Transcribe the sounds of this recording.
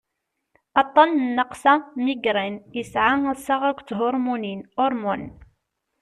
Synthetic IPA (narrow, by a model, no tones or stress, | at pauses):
ɑt̪ˤːɑnnːəqsɑmiɡɾˤinjəsʕasaʁækʷːt͡sɦʊɾˤmuninʊɾˤmʊn